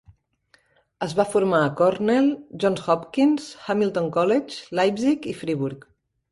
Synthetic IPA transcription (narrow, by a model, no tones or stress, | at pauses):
əzβafuɾmaəkɔɾnɛlˠʒɔnsxɔpkinsxamilˠt̪oŋkɔlɛt͡ʃlajbzikifɾiβuɾk